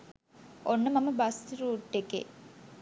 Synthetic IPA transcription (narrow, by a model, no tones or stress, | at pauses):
onːəmaməbɐsɾuːʈːekḛ